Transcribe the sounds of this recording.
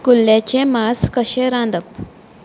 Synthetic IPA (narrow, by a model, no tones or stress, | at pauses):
kulːjat͡ɕemaskəɕeɾãnd̪əp